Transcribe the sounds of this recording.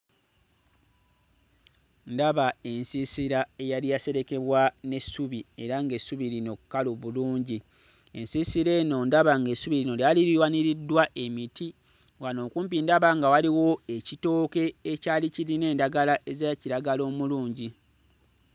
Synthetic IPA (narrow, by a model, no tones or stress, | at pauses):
ndaβae̞nsisiɾae̞jalijase̞ɾe̞ke̞βwane̞sːuβie̞ɾaŋɡe̞suβilino̞kukːaloβuluːɲɟi | e̞̰nsiːsiɾe̞ːno̞ndaβaŋɡe̞suβiɾino̞ljaliɾiwaniɾidːwaʔe̞miti | ɡano̞ːkuːmpindaβaŋɡawaliwo̞e̞cito̞ːke̞ːcaːliciline̞ːndaɡalaʔezaciɾaɡalo̞ːmuluːɲɟi